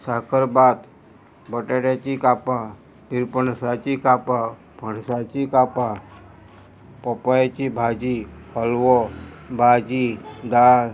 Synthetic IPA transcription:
saɦkəɾbaːt̪ | bəʈeɽat͡ʃikaːpa | piɾpənsat͡ʃikaːpa | pəɳsat͡ʃikaːpa | pɔpat͡ʃibʱaːd͡ʒipəlwobʱaːd͡ʒid̪aː

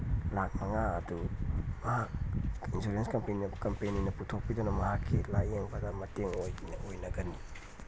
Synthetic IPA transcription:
lak̚mɐŋaɐdumɐhak̚insuɾenskɐmpeninɐkɐmpejnojnɐputʰok̚pidonɐmɐɦakʰːilajeŋbɐdɐmɐteŋojɡinɐojnɐɡɐni

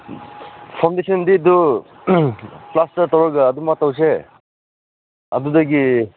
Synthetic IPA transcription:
pʰaw̃ndesɔnd̪id̪u | plastaɾt̪ɔɾɔɡaːd̪umat̪aws̬e | a̰d̪ud̪aɡi

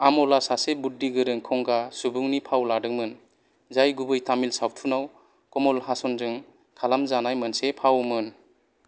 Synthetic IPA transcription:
amɔlasasebudːiɡɯɾɯŋkʰɔŋɡasubuŋnipʰawladɯŋmɯn | zajɡubɯjtamilsawtʰunaw | kɔmɔlɦasɔnzɯŋ | kʰalamzanajmɯnsepʰawmɯn

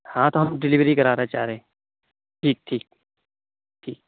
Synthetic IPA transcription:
hãt̪oɦɐmɖɪlɪʋɾikɐɾaːɾeɦẽt͡ʃaːɾeẽ | ʈʰiːk̚ʈʰiːk̚ | ʈʰiːk̚

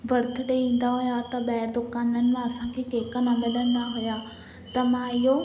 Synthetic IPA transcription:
bɐɾt̪ʰʊɗeĩːn̆d̪aɦʊjat̪ɐɓɛɪɾd̪ʊkaːnənɪ̆mãɐsãkʰekeːkənamɪləñd̪aɦʊja | t̪ɐmãɪɦo

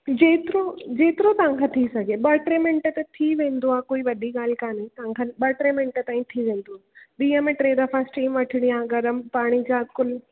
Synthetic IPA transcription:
d͡ʑeːt̪ɪɾod͡ʑeːt̪ɪɾot̪ɐʋãŋkʰãt̪ʰisɐɡʱeɓɐʈɾemɪ̃ɳʈət̪ɐt̪ʰiʋẽːnd̪oaːkoːiʋɐɗiɠaːl̤kaːnit̪ɐʋãŋkʰanɓɐʈɾeːmɪ̃ɳʈət̪ãːĩt̪ʰiʋẽːnd̪oaːɓiːə̃mẽʈɾeːd̪ɐfasʈiːmʋɐʈʰɪɽ̃ijãːɡɐɾəmpaːɽ̃id͡ʑaːkʊl

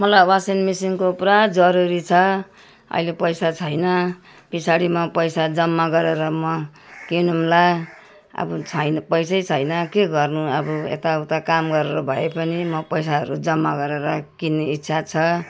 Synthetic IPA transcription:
mʌlajwasinmisiŋkoprad͡zʌɾuɾit͡sʰʌ | ʌ̰ilepʌjsat͡sʰʌjnʌ | pisaɽimʌpʌjsad͡zʌmːaɡʌɾeɾʌmʌkinumla | ʌ̰bʌt͡sʰʌjnpʌjsajt͡sʰʌjnʌkeɡʌrnuʌbuḛt̪aut̪akamɡʌɾeɾʌbʱʌepʌnimʌpʌjsaɦʌ̰ɾud͡zʌmːaɡʌɾeɾʌkinːeitːsʰat͡sʰʌ

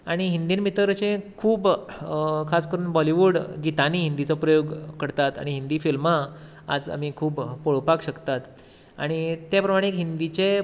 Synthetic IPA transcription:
aɽ̃iɦind̪iːnmit̪əɾt͡ɕẽkʰuːb | kʰaskəɾuːnbɔliʋuːɽɡit̪aniɦind̪it͡sɔpɾəjoɡkəɽt̪at̪a̰ɽ̃iɦind̪iːfilma | a̰d͡za̰m̤ikʰuːbpoɭpakɕəkt̪at̪ | a̰ɽ̃it̪japɾəmaɽ̃eekɦind̪it͡ɕe

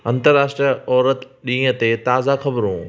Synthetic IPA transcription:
ɐ̃nt̪əɾaːʃʈɾiɔːɾət̪ɗĩːə̃t̪et̪aːzaxɐbɾũː

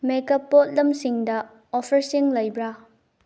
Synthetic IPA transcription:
mekɐpot̚lɐmsiŋdɐ | opʰɐɾsiŋlɐjbɾa

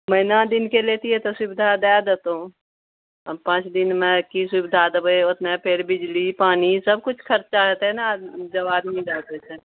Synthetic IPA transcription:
məɪnad̪ɪnkeleːt̪iɦɛt̪osʊbɪd̪ʱad̪ad̪et̪õ | pãːt͡ʃd̪ɪnmɛ̃kisʊbɪd̪ʱad̪bəeot̪nẽpʰɪɾbɪd͡ʒlipaːnisəbkʊt͡ʃʰkʰɐɾt͡ʃaɦɛt̪ɛnad͡ʒɐʋaːd̪mĩd̪aːt̪et̪ʰe

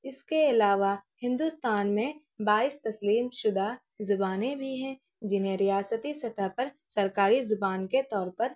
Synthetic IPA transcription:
ɪskeɪlaːʋahɪ̃nd̪ust̪aːnmẽ | baːist̪ɐsliːmʃʊd̪ʱa | zʊbaːnẽbʱiɦɛ̃ | d͡ʒɪnɦẽɾijaːsət̪isɐt̪ʰapɐɾ | sɐɾkaːɾizʊbaːnket̪ɔːɾpɐɾ

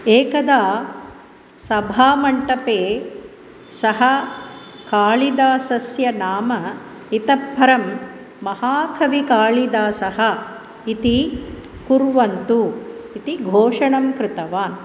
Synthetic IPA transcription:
eːkɐd̪aː | sɐbʱaːmɐɳʈɐpeː | sɐɦɐ | kaːɭid̪aːsɐsjɐnaːmɐ | it̪ɐbʱɐɾɐmː | ɐhaːkʰɐʋikaːɭid̪aːsɐɦɐ | it̪ikuɾʋɐnt̪uit̪iɡʱoːʂɐɳɐmkɾɪt̪ɐʋaːn

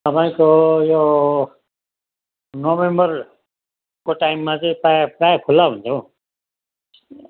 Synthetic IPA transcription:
t̪ʌpaĩkojo | nobembʌr | koʈaimːat͡sʌĩpapɾajkʰulːaɦunt͡sʰʌw̃

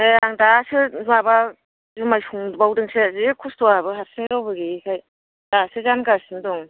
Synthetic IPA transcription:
eaŋdasɯmaba | zimajsʰuŋbawdɯŋsezikʰustɔabɯɦat̚siŋdawbɯɡikʰaj | d̥asɯzanɡasindɔŋ

